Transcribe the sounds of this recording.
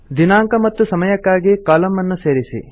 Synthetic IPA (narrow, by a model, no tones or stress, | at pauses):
d̪inaːŋkɐmɐt̪ːusɐmɐjɐkːaːɡikaːlɐmːɐnːuseːɾisḭ